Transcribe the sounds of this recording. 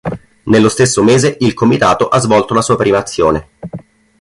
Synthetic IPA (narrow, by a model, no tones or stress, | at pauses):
nelːost̪esːomeːzeilkomit̪aːt̪oʔazvɔlt̪olasuːapɾiːmaːt̪sːjoːne